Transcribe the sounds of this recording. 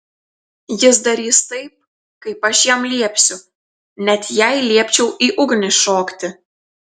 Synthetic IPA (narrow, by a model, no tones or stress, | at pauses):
jɪsd̪ɐɾʲiːst̪ɐɪp̚ | kɐɪpɐʃjɛmlʲiɛpʲsʲʊ | nʲɛt̪jɛɪlʲiɛpʲt͡ʃʲɛʊʔiːʔʊɡnʲɪʃoːkt̪ʲɪ